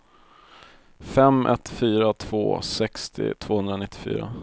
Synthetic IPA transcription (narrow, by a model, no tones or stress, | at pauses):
fɛmʔɛ̰t̪fyːɾat̪ʰv̥o̰ːsɛkst̪ʰɪ̰t̪ʰv̥oːhɵnɾanɪt̪ːɪ̥fy̰ːɾa̰